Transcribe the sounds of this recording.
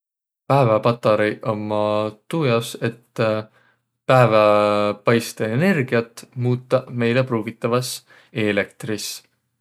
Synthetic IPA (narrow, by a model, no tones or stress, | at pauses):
pæevɑpɑt̪ːˑɑɾiʔomːɑt̪ujɑse̞t̪ː | pæevɑpɑjst̪eene̞rɡ̥iɑt̪ːˑmuːt̪ˑːɑme̞jlepruːɡit̪ːˑɑvɑs | ele̞k̚t̪ris